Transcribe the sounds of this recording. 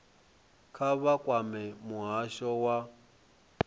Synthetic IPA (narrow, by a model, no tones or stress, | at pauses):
kʰaβakʼwamɛmuɦaʃɔwa